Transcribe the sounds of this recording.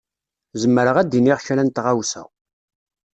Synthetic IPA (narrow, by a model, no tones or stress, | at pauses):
zəmːəɾəʁæd̪iniʁçɾænt̪ʁawsə̰